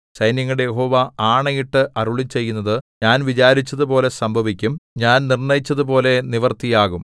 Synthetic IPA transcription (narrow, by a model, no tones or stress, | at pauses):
sɐjnjɐŋːɐɽejeɦo̞ːʋɐaːɳɐjiʈːɨʔɐɾuɭit͡ɕːe̞jːunːɐðɨɲaːnʋit͡ɕaːɾit͡ɕːɐðupo̞ːle̞sɐmbʱɐʋikʲːumɲaːnnirɳɐjit͡ɕːɐðupo̞ːle̞niʋɐrt̪ijaːɣum